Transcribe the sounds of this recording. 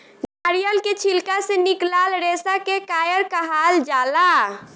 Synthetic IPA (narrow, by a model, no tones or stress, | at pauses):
ɡaɾijəlket͡ʃʰilkaseniklalɾesakekaːjəɾkəɦald͡ʒala